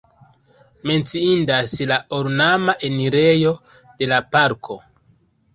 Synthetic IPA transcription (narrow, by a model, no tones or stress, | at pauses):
me̞nt͡siindaslaoɾnamaʔe̞niɾe̞jo̞ | d̥e̞lapaɾkʰo̞